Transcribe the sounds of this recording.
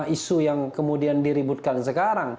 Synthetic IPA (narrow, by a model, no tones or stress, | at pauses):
isujaŋkəmudiandiɾibut̪̚kansəkaɾaŋ